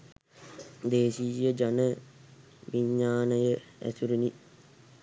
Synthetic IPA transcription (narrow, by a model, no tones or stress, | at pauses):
d̪eːʃiːjəd͡ʒanə | ʋiɲːaːnəjəæ̰suɾini